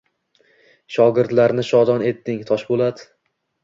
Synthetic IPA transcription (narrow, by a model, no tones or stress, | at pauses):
ʃɒɡʲɪɾt̪laɾnɪʃɒd̪ɒne̞t̪ːɪŋt̪ʰɒʃbolˠad̪ɪ